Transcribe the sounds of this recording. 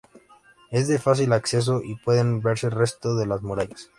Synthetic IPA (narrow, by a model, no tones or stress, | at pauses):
e̞zðe̞fas̬ilakse̞s̬o̞ʔipwe̞ðe̞nbeɾse̞lre̞st̪oðe̞lazmoɾaʝas